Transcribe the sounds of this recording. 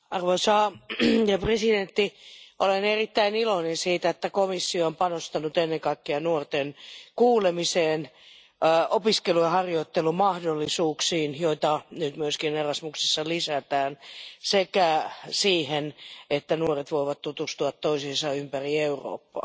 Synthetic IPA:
ɑrʋoisɑːjɑpresident̪ːiʔolenerit̪ːæinilonensiːt̪æet̪ːækomisːioompɑnost̪ɑnut̪enːeŋkɑikːeɑnuort̪enkuːlemiseːnː | opiskelujɑhɑrjoit̪ːelumɑhdolːisuːksiːnjoit̪ɑnyt̪myøskinerɑsmuksesːɑlisæt̪æːnsekæsiːhenet̪ːænuoret̪ʋoiʋɑt̪t̪ut̪ust̪uɑt̪toisisɑympærieuro̰ːpːɑ̰ː

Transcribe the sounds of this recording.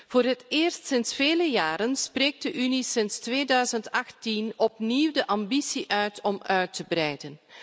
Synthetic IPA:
v̥oːɾɦətɪːrstsɪnsfeːləjaːɾənspreːk̚dəʔynisɪnstʋeːdœɥzəntɑxtinɔpniwdəʔɑmbisiʔœɥtʰɔmœɥtəbrɛjdən

